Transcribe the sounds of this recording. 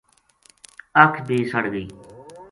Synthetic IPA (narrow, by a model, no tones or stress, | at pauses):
əkʰbʱiːsəɽɡiː